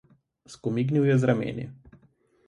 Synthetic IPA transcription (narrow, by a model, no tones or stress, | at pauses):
skɔmiɡniwjɛzɾamḛːnɛ̰